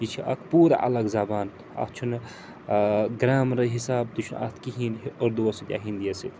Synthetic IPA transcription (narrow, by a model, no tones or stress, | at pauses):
jit͡ʃʰiʔɐ̰kʰpuːɾa̰ʔɐ̰lɐɡzaːbaːn | ɐ̰t̪t͡ʃʰun | ɡɾaːmɾɐɦisaːb̚t̪ut͡ʃʰuna̰t̪ʰkiɦinoɾd̪uɐsid̪ʲja̰ːɦind̪ijɐsit̪